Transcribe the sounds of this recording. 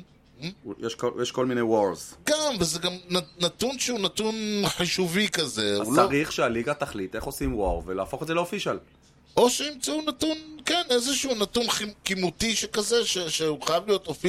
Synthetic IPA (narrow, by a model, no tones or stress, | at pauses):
hm̩jeʃkojeʃko̞lminewoʁzɡamvezeɡamnanat̪unʃuuːnat̪unħiʃuvikazeunaʁiχʃealiɡat̪aχlit̪eχo̞simwoʁvelaːfo̞χedzeleofiʃal | ʔo̞ʃenimt͡saunat̪unkenezeʃuunat̪unχikimut̪iʃekaze̞ʃeʃeuχajavlijo̞t̪ofi